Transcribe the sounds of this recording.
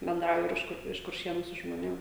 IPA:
bʲɛnˈdrɐʊjʊ ɪr ˈɪʃ kʊr ɪʃ kʊrʲˈʃʲiɛnʊ sʊ ʒmoːˈnʲeːm

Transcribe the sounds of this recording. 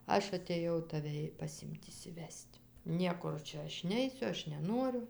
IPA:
ˈɐʃ ɐtʲeːˈjɛʊ tɐˈʋʲɛ ɪ pɐˈsʲɪmʲtʲ ɪʃʲsʲɪˈʋʲɛsʲtʲ ˈnʲiɛkʊr ˈt͡ʃʲɛ ˈɐʃ ˈnʲɛɪsʲʊ ˈɐʃ nʲɛˈnuɔrʲʊ

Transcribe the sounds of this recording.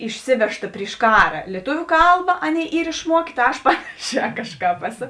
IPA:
ɪʃʲˈsʲɪʋʲɛʃtɐ pʲrʲɪʃ ˈkɑːrɐ lʲiɛˈtʊʋʲʊ ˈkɐlˠbɐ ˈɑːˌnʲeːɪ ˈiːr ɪʃˈmuɔkʲeː tɐ ˈɐʃ ˈpɑːnɐˌʃʲɛː ˈkɑːʃˌkɑːp ˈæːˌsoː

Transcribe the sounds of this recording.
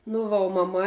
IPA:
nʊ ˈʋɐ oː mɐˈmɐ

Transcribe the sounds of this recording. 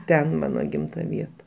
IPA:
ˈtʲɛn ˈmɑːnoː ˈɡʲɪmtɐ ˈʋʲiɛtɐ

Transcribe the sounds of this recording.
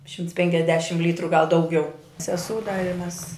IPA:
ˈʃʲɪmts pʲɛŋʲkʲɛzʲˈdʲæːʃʲɪmt ˈlʲiːtrʊ ɡɐlˠ dɐʊˈɡʲɛʊ sʲɛˈsuː dɐ ɪ mʲɛs

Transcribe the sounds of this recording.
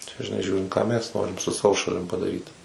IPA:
t͡ʃʲɛ ʒʲɪˈnɐɪ ˈʒʲuːrʲɪnt kɑː ˈmʲɛs ˈnoːrʲɪm sʊ ˈsɑːʋoː ʃɐˈlʲɪm pɐdɐˈrʲiːt

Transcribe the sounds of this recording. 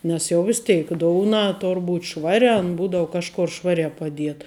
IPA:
ˈnʲɛs jɛʊ ˈʋʲɪs tʲɛɪk ˈdoːʊnɐ ˈtoːr ˈbuːt ˈʃʋɑːrʲɛ ɐn ˈbuːdɐʋʊ ˈkɑːʃkoːr ˈʃʋɑːrʲæː pɐˈdʲiɛtɐ

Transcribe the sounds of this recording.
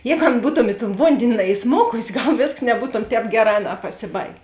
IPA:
ˈjɛːɡʊ ˈɐn ˈbuːtoːm ɪ toːn ˈʋoːnʲdʲeːnʲɪ nɐɪˈsmoːkʊsʲɪ ˈɡɐlˠ ˈʋʲeːsks nʲɛˈbuːtoːm ˈtʲɛːp ˈɡʲæːˌrɑː ˈɑːˌnɑː pɐsʲɪˈbɐɪɡʲeː

